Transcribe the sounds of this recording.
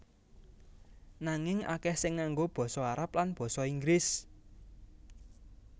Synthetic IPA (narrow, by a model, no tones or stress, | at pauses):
naŋɪŋa̰kɛhsɪŋːaŋɡob̥ɔ̤sɔaɾap̚lanb̥ɔ̤sɔiŋɡɾɪs